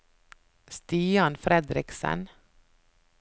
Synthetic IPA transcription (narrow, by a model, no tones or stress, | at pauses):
st̪iːɑnfɾɛd̪ɾɪksə̰n